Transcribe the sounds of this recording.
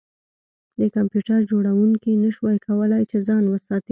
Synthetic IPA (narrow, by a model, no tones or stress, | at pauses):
d̪əkampjuʈaɾd͡ʒoɽawuŋkinəʃwɑjkʰawəlajt͡ʃezɑnwəsɑt̪i